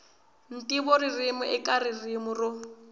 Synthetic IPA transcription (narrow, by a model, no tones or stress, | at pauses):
n̩tʼiboririmʊʔɪkʼaririmʊrʊ